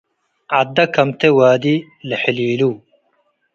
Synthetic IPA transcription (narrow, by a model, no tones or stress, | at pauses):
ad̪ːɐkʰɐmt̪ʰewaːd̪i | ləħiliːluː